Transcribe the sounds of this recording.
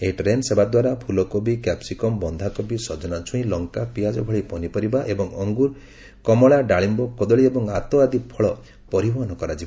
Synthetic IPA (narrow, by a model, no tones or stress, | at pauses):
eiʈɾensebad̪waɾapʰulɔkobikapsikɔmbɔnd̪ʱakobisɔd͡ʒɔnat͡ʃʰũĩlɔŋkapiad͡ʒɔbʱɔɭipɔnipɔɾibaʔebɔŋɔŋɡuɾ | kɔmɔɭaɖaɭimbɔkɔd̪ɔɭiebɔŋat̪ɔad̪ipʰɔɭɔ | pɔɾibɔɦɔnɔkɔɾad͡ʒiba